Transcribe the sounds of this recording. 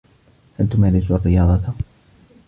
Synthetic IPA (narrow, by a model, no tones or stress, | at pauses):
halt̪ʊmaːlɪsuʔarːɪjɑːd̪ˤɑt̪